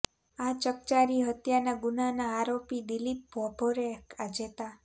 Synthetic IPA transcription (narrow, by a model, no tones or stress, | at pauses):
at͡ʃək̚t͡ʃaɾiɦət̪janaɡunanaːɾopid̪ilip̚bʱɔbʱoɾekʰad͡ʒet̪a